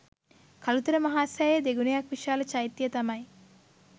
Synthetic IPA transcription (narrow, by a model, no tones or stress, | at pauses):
kʰalut̪ɐɾəmɐɦaːsaed̪eɡunejakʋiʃaːlɐt͡ʃajit̪ːijət̪ɐmɐj